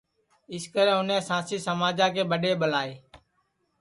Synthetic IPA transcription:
ɪskəɾẽːʊnɛ̃ːsãːsiːsəmaːd͡ʒãːkeːɓəɗeːɓəlaːeː

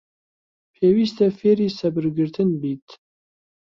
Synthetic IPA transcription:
pʰeːwiːst̪ʰɐfeːɾisɐbɨɾɡɨɾt̪ʰɨnbiːt̪ʰ

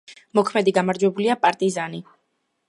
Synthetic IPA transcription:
mɔkʰmɛd̪iɡamaɾd͡ʒwɛbuliapʼaɾt̪ʼizani

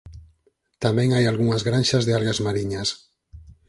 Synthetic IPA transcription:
t̪amẽŋajalɣuŋazɣɾanʲʃazðeaɾɣazmaɾiɲas

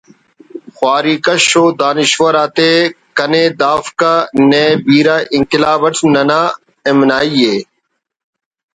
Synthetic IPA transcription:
xwaːɾiːkəʃoːd̪aːnɪʃʋəɾaːt̪eːkəneːd̪aːfkaːneːbiːɾaːʔɪŋkɪlaːbəʈʰnənaː | ɪmnaːiːeː

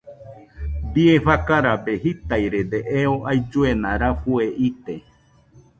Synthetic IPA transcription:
biefakaɾabeɦit̪ajɾed̪eʔeoʔajd͡ʒuenãɾafueʔit̪e

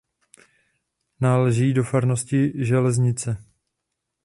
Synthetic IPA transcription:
naːlɛʒiːdo̞faɾno̞scɪʒɛlɛzɲɪt͡sɛ

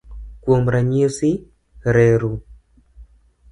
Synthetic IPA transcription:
kwomɾaɲiosi | ɾɛɾu

